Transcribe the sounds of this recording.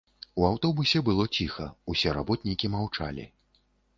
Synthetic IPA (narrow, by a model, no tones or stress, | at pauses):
uawt̪ɔbusʲɛbɨlˠɔt͡sʲixɐusʲɛɾa̰bɔt̪ʲnʲikʲimawt͡ʂa̰lʲḭ